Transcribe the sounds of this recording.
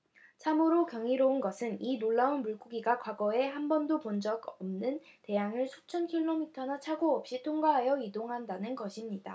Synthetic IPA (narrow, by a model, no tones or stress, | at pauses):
t͡ɕʰamɯɾokjʌŋiɾounɡʌsʰɯninoɭːaunmuɭk͈uɡiɡakwaɡʌe̞hambʌndopond͡ʑʌɡʌmnɯnte̞jaŋɯɭsʰo̥t͡ɕʰʌnkʰiɭːomitʰʌnat͡ɕʰaɡoʌp̚ɕ͈itʰoŋɡaɦajʌidoŋɦandanɯnɡʌɕʰimɲida